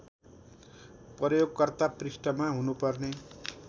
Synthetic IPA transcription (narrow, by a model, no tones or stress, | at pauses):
pʌrjoɡkʌrt̪aprisʈʌmaɦunupʌrne